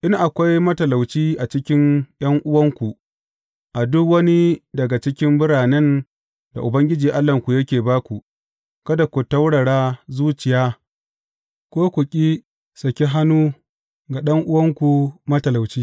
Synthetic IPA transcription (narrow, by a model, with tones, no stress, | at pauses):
ʔɪ˦nʔa˨kʷa˦jmɐ˦tɐ˨la˨wt͡ʃiː˦ʔa˨t͡ʃɪ˦kʲɪ˦nj̰ɐ˦ŋʔʊ˦wɐ˦ŋkʷu˨ | ʔa˨dʊ˦kwɐ˦ni˦dɐ˨ɡa˨t͡ʃɪ˦kʲɪ˦mbʊ˦ɽaː˨nɛ˦n | da̰˨ʔʊ˨bɐ˦ŋɡʲɪ˦d͡ʒiː˨ʔa˦lːɐ˨ŋkʷu˨jɐ˦kʲeː˨baː˦kʷu˨ | kɐ˦da˨kʷu˨tɐ˦wɽɐ˨ɽaː˦zuː˦t͡ʃɪ˨jaː˦ | kʷoː˦kʷu˨kʲʼi˦ | sɐ˨kʲi˦ɦa˦nuː˦ | ɡa˨ɗɐ˦ŋʔʊ˦wɐ˦ŋkʷu˨mɐ˦tɐ˨la˨wt͡ʃiː˦